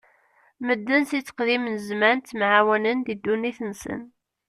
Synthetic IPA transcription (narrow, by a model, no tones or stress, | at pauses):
məd̪ːənsit͡sːə̥qðimnəzmænt̪mʕawənənd̪id̪ːunːiθənsə̰n